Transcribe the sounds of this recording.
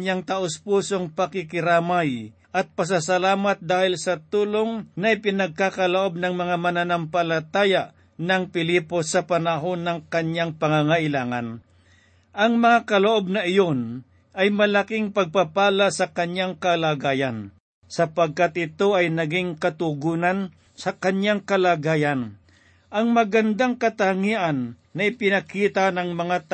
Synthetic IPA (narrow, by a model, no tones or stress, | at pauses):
jaŋt̪aʔospuːso̞ŋpɐkɪkɪɾaːmaj | ʔɐt̪̚pɐs̬asɐlaːmat̪̚d̪aːhɪlsɐt̪uːloŋnɐɪpɪnɐɡ̚kakɐloʔo̞b̚nɐŋmɐŋamɐnanampɐlɐt̪aːjaʔ | nɐŋpɪliːpo̞sɐpɐnɐɦo̞nːɐŋkɐɲjaŋpɐŋaŋaʔɪlaːŋa̰n | ʔɐŋmɐŋakɐloʔo̞b̚nɐɪjo̞n | ʔɐjmɐlɐkiŋpɐɡ̚papaːlasɐkɐɲjaŋkɐlaːɡaːjan | sɐpɐɡ̚kat̪̚ʔɪt̪o̞ɐjnɐɡiŋkɐt̪ʊɡuːnan | sɐkɐɲjaŋkɐlaːɡaːjan | ʔɐŋmɐɡɐnd̪aŋkɐt̪aŋiːʔanː | ɐɪpɪnɐkiːt̪anɐŋmɐŋat̪